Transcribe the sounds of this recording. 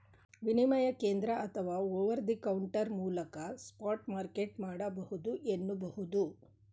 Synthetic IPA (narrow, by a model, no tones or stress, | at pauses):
ʋinimɐjɐkeːnd̪ɾɐʔɐt̪ʰɐʋaːoːʋɐɾd̪ikɐwuɳʈɐɾmuːlɐkɐspaːʈmaːɾkeʈmaːɽɐbɐhud̪uʔenːubɐɦud̪u